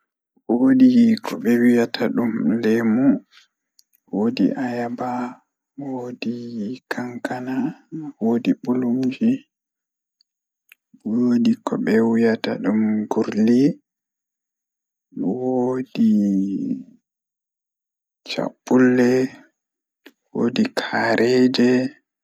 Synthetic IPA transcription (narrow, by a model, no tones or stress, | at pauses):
wodikʰɔɓɛwijatʰaɗumlɛmu | wodḭʔajaba | wodikʰaŋkanawodiɓulumd͡ʒi | wodikɔɓɛwujata̰ɗumɡuɾli | wodi | t͡ʃa̰ɓːulːɛ | wo̰dikʰaɾʔɛd͡ʒɛ